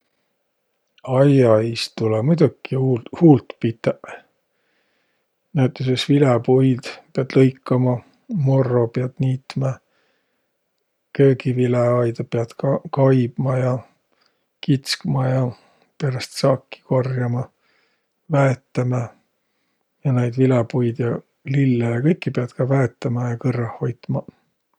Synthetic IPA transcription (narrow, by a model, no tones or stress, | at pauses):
ɑjɑist̪ulɑmujd̪̥ukːihuːlt̪pit̪ːeʔ | næwt̪ːˑesesvilepojd̪̥peɑd̪̥lɤjkːɑmɑ | mo̞rːopeɑd̪̥niːt̪mɑ | køːɡivileɑjd̪ɑpeɑd̪̥kɑjb̥mɑjɑ | kit̪skmɑjɑ | peɾɑst̪sɑkːi̥korjɑmɑ | væet̪ːemɑ | jɑnejd̪̥vilepujd̪̥jɑ | lilːejɑkɤjkːˑipeɑd̪̥kɑvæet̪ːˑɑmɑjɑkɤrːɑho̞jt̪mɑ